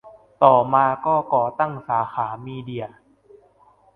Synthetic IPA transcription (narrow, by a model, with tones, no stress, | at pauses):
t̪ɔː˨˩maː˧kɔː˥˩kɔː˨˩t̪a˥˩ŋsaː˩˦xaː˩˦miː˧di˧ɐ